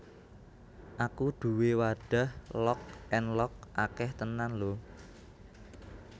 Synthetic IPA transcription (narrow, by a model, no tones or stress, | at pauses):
ʔakud̪̥ṳwewaɖ̥a̤hlɔk̚ʔɛnlɔk̚ʔakɛht̪ənanlo